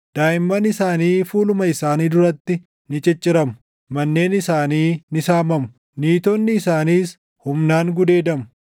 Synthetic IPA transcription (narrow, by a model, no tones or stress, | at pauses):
d̪̥aːjɪmːɐnɪsaːniːfuːlʊmɐɪsaːniːd̪ʊɾɐt̪ːɪ | nɪt͡ʃʼɛt͡ʃʼːɪɾɐmʊ | mɐnːe̞ːnɪsaːniːnɪsaːmɐmʊ̥ | niːt̪ɔnːɪːsaːniːs | hʊmnaːŋɡʊd̪e̞ːd̪ɐmʊ̥